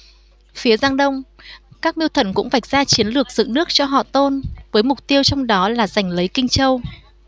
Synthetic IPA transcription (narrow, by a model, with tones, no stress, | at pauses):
fi˨˦əzaː˧ŋɗə˧wŋ͡mkaː˦˥k̚mi˧wt̪ʰə˨˧˩nkʊ̰˧˥ŋ͡mva˨˩jk̚zaː˧t͡ɕi˨˦ənlɨ˨˩ək̚zɨ̰˧˨nɨ˦˥ək̚t͡ɕɔ˧ɦɔ̰˧˨t̪o˧nvəː˨˦jmʊ˨˩k͡p̚t̪i˧əwt͡ɕɔ˧wŋ͡mɗɔ˨˦laː˨˩za˨˩jŋ̟lə˨˦jkï˧ŋ̟t͡ɕə˧w